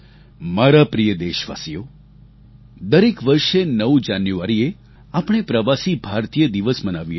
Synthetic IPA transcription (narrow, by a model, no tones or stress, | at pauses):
maɾapɾijəd̪eʃʋa̰sijo | d̪əɾekʋəɾʃenəʋd͡ʒanjuaɾie | apɳ̃epɾəʋasibʱaɾt̪ijəd̪iʋəsmənaʋi